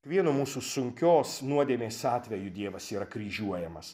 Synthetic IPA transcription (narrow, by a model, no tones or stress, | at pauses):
kʋʲiɛnʊmuːsuːsʊŋʲkʲoːsnuɔd̪ʲeːmʲeːsɑːt̪ʲʋʲɛjʊd̪ʲiɛʋɐsiːɾɐkɾʲiːʒʲuɔjɛmɐs